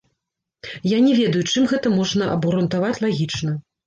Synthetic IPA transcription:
janʲɛvʲɛd̪ɐjut͡ʂɨmɣɛt̪ɐmɔʐnɐʔɐ̰bɣɐɾunt̪avat͡sʲlˠaɣʲit͡ʂnɐ

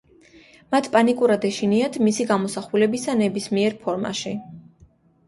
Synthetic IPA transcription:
mat̪ʰpʼanikʼuɾad̪ɛʃiniat̪ʰmisiɡamɔsaχulɛbisanɛbismiɛɾpʰɔɾma̰ʃi

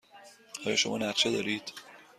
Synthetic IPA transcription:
hɒːjɒːʃomɒ̰ːnæɾt͡ʃʰed̪ɒːɾiːd̪̥

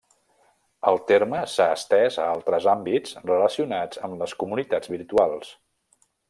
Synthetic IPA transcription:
əlˠt̪eɾməsaəst̪ɛzə̰alˠt̪ɾəzambid͡zrələsiunad͡zəmləskumunit̪ad͡zβiɾt̪ualˠs

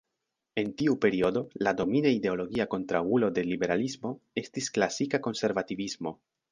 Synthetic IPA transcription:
e̞ntiupe̞ɾio̞do̞lado̞minaide̞o̞lo̞ɡiako̞ntɾawulo̞de̞libe̞ɾalismo̞e̞stisklasikako̞nse̞ɾvativismo̞

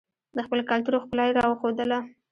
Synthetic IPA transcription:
d̪əxpəlokalt̪uɾoxpəlɑjɾɑwəxod̪əla

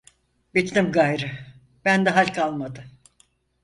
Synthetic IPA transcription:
bit̪nimɡajɾɯ | b̥ænd̪ɛɦalʲkʰalˠmad̪ɯ

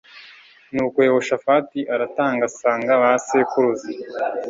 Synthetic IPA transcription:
nuːkwewoʃafatiʔaɾataːŋɡasaːŋɡaβasekuɾuzi

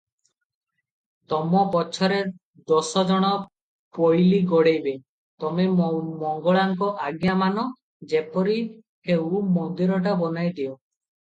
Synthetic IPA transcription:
t̪ɔmɔpɔt͡ʃʰɔɾe | d̪ɔsɔd͡ʒɔɽ̃ɔ | pojliɡɔɽejbe | t̪ɔmemɔŋɡɔɭaŋkɔʔaɡjamanɔ | d͡ʒepɔɾi | hewmɔnd̪iɾɔʈ̬abɔnajd̪iɔ

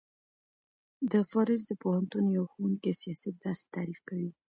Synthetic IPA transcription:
d̪əfaɾɪs̬d̪əpohant̪unjawxowunkesijɑsat̪̚d̪ɑse̥t̪ɑɾifkawi

